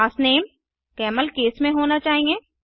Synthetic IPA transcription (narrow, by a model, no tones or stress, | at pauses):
aːsneːm | kɛːməlkeːsmẽɦoːnat͡ʃaːɦĩeː